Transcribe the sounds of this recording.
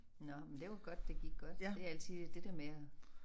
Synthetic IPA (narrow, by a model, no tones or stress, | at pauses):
nɒmend̥e̝ʋɑ̈ɡ̥ɒ̽d̥ːe̝ɡ̥iɡ̥ɡ̥ɒ̽d̥e̝æl̰t͡sʰið̰ˠd̥e̝d̥eɐmeæ